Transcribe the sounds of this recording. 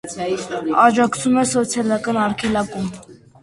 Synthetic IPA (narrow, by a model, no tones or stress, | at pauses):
ɑd͡ʒɑkt͡sʰumɛsɔt͡sʰjɑlɑkɑnɑɾkʰɛlɑkum